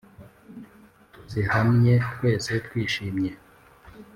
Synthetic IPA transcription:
z̥ihamɲe̞twe̞ːse̞twiːʃiːmɲe

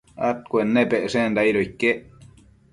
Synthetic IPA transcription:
a̰t̪̚kuenːepeʔsend̪aiɾoikːeʔ

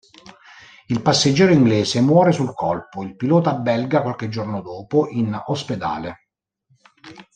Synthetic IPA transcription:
ilpasːed͡ʒːɛːɾoiŋɡlɛːsemwɔːɾesulkʰɔlpoilpilɔːt̪abɛlɡakwalked͡ʒːornod̪ɔːpoʔinosped̪a̰ːle

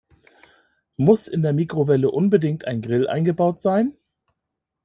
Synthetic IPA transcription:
mʊsɪndeːɐmiːkʁ̥ovɛləʔʊnbədɪŋk̚tʰa̰ɪnɡʁɪlʔa̰ɪnɡəbaʊtz̥aɪn

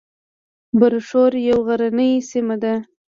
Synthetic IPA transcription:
baɾʂoɾjawɣaɾanəjsimad̪a

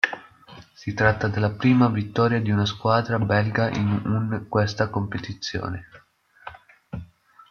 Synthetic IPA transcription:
sit̪ɾat̪ːad̪elːapɾiːmavit̪ːɔːɾjad̪iunaskwaːd̪ɾabɛlɡaʔḭnuŋkwest̪akompet̪it̪sːjo̰ːne

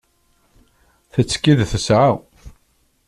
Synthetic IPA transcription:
θət͡sːkiðθəsʕaw

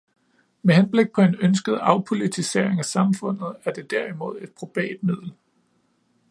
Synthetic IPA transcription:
mehenb̥le̝ɡ̥̚pʰɒ̽e̝nønsɡ̥əð̞̩ˠɑ̈ʊpʰo̝lit͡sʰise̝̰ɐ̰e̝ŋæsɑ̈mfɔ̽n̰ð̞̩ˠæɐd̥e̝d̥æɐ̰imo̝ð̞̰ˠe̝d̥̚pʰʁo̝b̥ɛ̰ːd̥̚mið̞̰ˠl̩

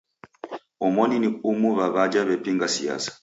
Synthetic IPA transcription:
ɔmɔniniumuβaβad͡ʒaβɛpiŋɡasija̰sḁ

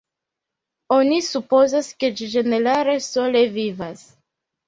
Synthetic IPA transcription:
o̞nisupo̞zaske̞d͡ʒid͡ʒe̞ne̞ɾaɾe̞so̞le̞vivas

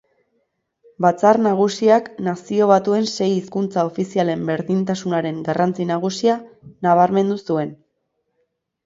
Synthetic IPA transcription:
bat͡sarnaɣ̞usiaknasio̞β̞at̪ue̞nse̞jiskunt͡sao̞fisiale̞mbe̞ɾðint̪asunaɾe̞ŋɡarant͡sinaɣ̞usianaβ̞aɾme̞nd̪usue̞n

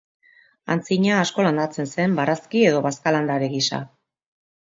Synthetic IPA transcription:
a̰nt͡siɲaːsko̞land̪at͡se̞nse̞mbaɾaskie̞ðo̞βaskaland̪aɾeɣisa̰

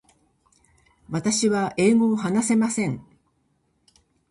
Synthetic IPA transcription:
βat̪aɕiβaʔeːmoːɦanase̞masẽ̞ŋ

